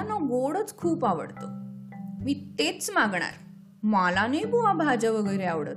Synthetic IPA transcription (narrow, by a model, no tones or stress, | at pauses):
anɔɡoɽət͡skʰuːpaʋə̰ɽt̪o | mit̪et͡smaɡɳa̰j | malanebuabʱad͡ʑaʋəɡəjɾeaʋɽət̪